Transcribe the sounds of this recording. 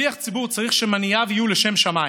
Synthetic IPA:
iaχt͡sibuʁt͡saʁiχʃemanijavijulɛʃemʃamai

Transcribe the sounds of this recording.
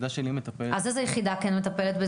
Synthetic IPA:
d̪aʃenimet̪apeʔazezejeχid̪akenmet̪apelet̪be

